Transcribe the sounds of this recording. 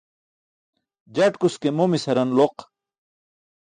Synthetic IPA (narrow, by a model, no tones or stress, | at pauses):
d͡ʑɐʈkuskemomisɐɾɐnloq